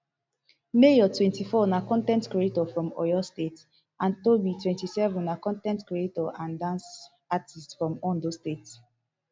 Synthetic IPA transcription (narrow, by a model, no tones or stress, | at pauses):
mejɔtwɛ̃ntifɔnakɔ̃ntɛ̃ntkɹietɔfɹɔ̃mɔ̰jɔstet | ʔãntobitʰwɛ̃ntisɛvɔ̃nnakɔ̃ntɛ̃ntkɹietɔãndãns | atʰistfɹɔ̃mɔ̃ndostet